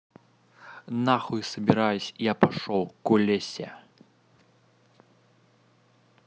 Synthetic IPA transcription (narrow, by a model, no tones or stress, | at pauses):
naxujsɐbʲiɾajusʲijapaʂɔwkulʲesʲɛ̰